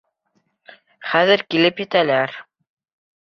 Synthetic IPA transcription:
χæðɘɾkilɘpjɘ̆t̪ælæɾ

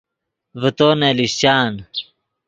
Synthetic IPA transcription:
vət̪oːneliɕt͡ɕaːn

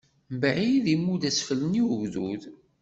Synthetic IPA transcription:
mbʕiðimːuðæsfələniəɣðṵð

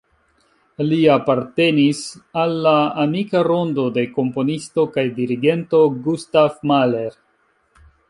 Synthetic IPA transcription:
liapaɾte̞nisalːaamikaɾo̞ndo̞de̞ko̞mpo̞nisto̞kajdiɾiɡe̞nto̞ɡustafmale̞ɾ

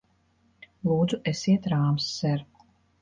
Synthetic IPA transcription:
lˠuːd̪zuʔesiɛt̪ɾaːmsːɛɾ

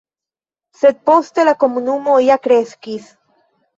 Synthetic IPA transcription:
set̪̚post̪elakomunumoiakɾeskis

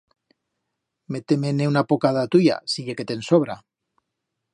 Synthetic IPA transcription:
met̪emeneunapokaðat̪uja̰siʝeke̞t̪e̞nsoβ̞ɾa

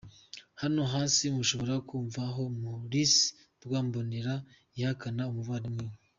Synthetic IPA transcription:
hano̞ɦaːsimuʃo̞βo̞ɾakuːɱvaɦo̞muɾis | ɾɡwaːmboniɾa | ihakanaumuvaɾimwiːwe

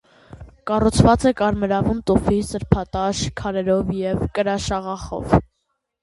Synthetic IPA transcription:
kɑrut͡sʰvɑt͡sɛkɑɾmɛɾɑvunt̪ufisəɾpʰɑt̪ɑʃkʰɑɾɛɾɔvjɛvkəɾɑʃɑʁɑχɔ̰v

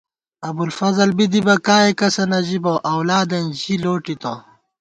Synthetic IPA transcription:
ɐbulfɐzɐlbid̪ibɐkaːekɐsɐnɐʑibɐʔɐwlaːd̪ɐnʑiloːʈit̪ɐ

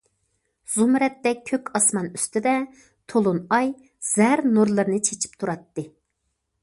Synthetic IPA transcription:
z̥umɾɛt̪ːɛk̚ʲʰːøkʲɑsmɑnyst̪ɪd̪ɛ | t̪ʰolˠunɑj | z̥æɾnuɾlˠɨɾnɨt͡ʃʰet͡ʃʰi̥p̚t̪ʰuɾɑt̪ːɨ

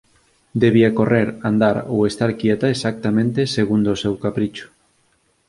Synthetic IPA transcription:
d̪eβiakoreɾand̪aɾo̰west̪aɾkjɛt̪ɐesak̚t̪amẽnt̪eseɣund̪oosewkapɾit͡ʃʊ̥

